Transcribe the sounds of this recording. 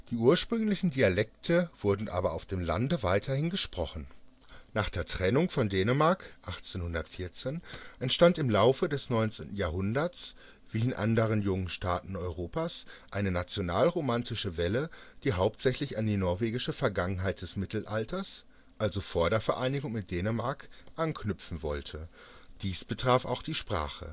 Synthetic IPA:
d̥iːʔuːɐʃpʁ̥ʏŋlɪçn̩dialɛk̚tʰəv̥ʊɐdn̩ʔa̰ːbɐaʊfd̥eːmla̰ndəvaɪtʰɐhɪnɡəʃpʁ̥ɔχn̩ | naːχd̥eːɐtʁ̥ɛnʊŋfɔndeːnəmaɐkʔaχt͡seːnhʊndɐtfɪɐt͡seːnʔɛntʃtantɪmlaʊfədɛsnɔʏnt͡sḛːntn̩jaːɐɦʊndɐs | v̥iːɪnʔa̰ndəʁ̞ənjʊŋənʃta̰ːtn̩ɔʏʁ̞oːpaːsʔaɪnənat͡sjonaːlʁomantɪʃəvɛləd̥iːɦaʊp̚tz̥ɛçlɪçandiːnɔɐveːɡɪʃəfɛɐɡaŋənɦaɪt̚d̥ɛsmɪtl̩ʔaltʰɐs | ʔalzofoːɐdeːɐfɛɐʔaɪnɪɡʊŋmɪt̚d̥eːnəmaɐkʔankʰnʏpp͡fn̩vɔ̰ltʰə | d̥iːsb̥ətʁ̥aːfaʊxd̥iːʃpʁ̥a̰ːχə̰

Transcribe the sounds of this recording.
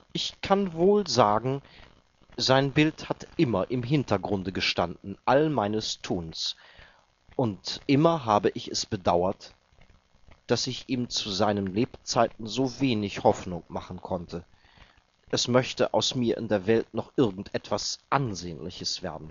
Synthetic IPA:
ʔɪçkʰanvoːlzaːɡŋ̩ | zaɪnbɪlthatʔɪmɐʔɪmɦɪntɐɡʁʊndəɡəʃtandn̩ʔalmaɪnəstʰuːns | ʔʊntʔɪmɐɦaːbəʔɪçɛsb̥ədaʊɐt | d̥asɪçʔiːmt͡suzaɪnənleːpt͡saɪtn̩zoːveːnɪçhɔfnʊŋmaχn̩kʰɔntʰə | ʔɛsmœçtə̰ʔa̰ʊsmiːɐʔɪ̰ndeːɐvɛltnɔχʔɪɐɡŋ̩tʔɛtv̥asʔanzeːnlɪ̰çəsv̥ḛːɐdn̩

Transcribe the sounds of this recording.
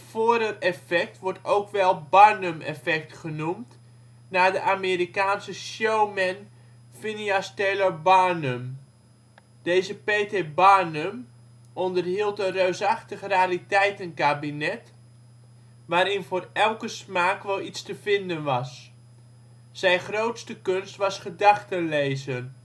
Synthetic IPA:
foːɾərɛfɛk̚tʋɔɹtowkʋɛlˠbaɹnəmɛ̰fɛk̚tχənumt | naːdəʔaːmeːɾikaːnsəʃjowmɛn | finiasteːləbanəm | d̥ejzəpeːtebanəm | ɔndərɦilˠtənrøɥsɑχtəχraːritɛjtənkaːbinɛt | ʋaːɾɪnvʊːrɛlˠkəsmaːkʋɛlˠitstəvɪndənʋɑs | sɛjnχrowtstəkɵnstʋɑsχədɑχtənlejzən

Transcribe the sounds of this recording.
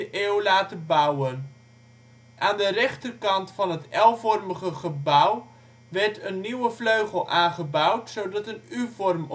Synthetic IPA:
əʔewlaːtəbawən | ʔaːndərɛχtərkɑntfɑnɦətɛlˠvɔrməχəχəbʌw | ʋɛrtənːiwəfløɥχəlˠʔaːnχəbœwtsowdɑtənyvɔrm

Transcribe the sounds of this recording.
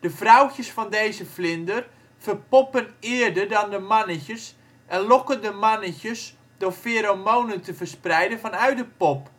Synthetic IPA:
d̥əvrawtəsfɔndejzəflɪndər | fərpɔpənɪːərdərdɔndəmanəçəs | ʔɛnlɔkəndəmanəçəs | dʊrfeːɾowmownəntəvərsprɛjdənfɔnœɥtdəpɔp

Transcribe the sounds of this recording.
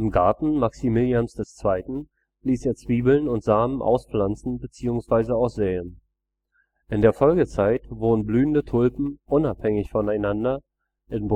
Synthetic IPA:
ʔɪmɡaɐtn̩maksimɪljansd̥ɛst͡sv̥aɪtn̩ | liːseːɐt͡sv̥iːbl̩nʊntz̥aːmənʔa̰ʊsflant͡sn̩bət͡siːʊŋsv̥aɪzəaʊxsz̥eːən | ʔɪndeːɐfɔlɡət͡saɪtvoːnənblyːəndətʰʊlpm̩ʔʊnaphɛŋɪçfɔnaɪnandɐ | ʔɪnb

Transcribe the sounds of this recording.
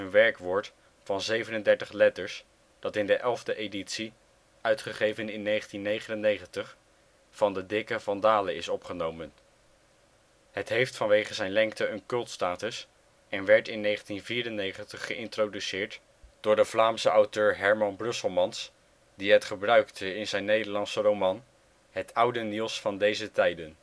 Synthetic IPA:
ənʋɛɹkʋɔːɹt | fɑnzejvənəndɛɹtəχlɛtəɹs | d̥ɑtɪndəʔɛlˠvdəʔejditsi | œɥtχəχejvənɪnːejχəntinːejχənənejχəntəχ | fɑndədɪkəvɑndaːləɪsɔpχənowmən | ɦətɦejftfɑnʋejχəzɛjnlɛŋk̚təənkɵlˠtstaːtəs | ɛnʋɛɹtɪnːejχəntinviːɾənejχəntəχːəʔɪntrodysɪːɹt | d̥ʊːɹdəvlaːmsəʔɑwtøːɹɦɛɹmɑnbrɵsəlˠmɑns | diɦətχəbrœɥktəɪnzɛjnːejdəɹlɑnsərowmɑn | ɦətʰʌwdənilˠsfɑndejzətɛjdən

